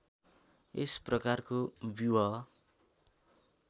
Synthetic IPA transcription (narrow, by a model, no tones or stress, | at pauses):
ḛsprʌkarkobjiwʌ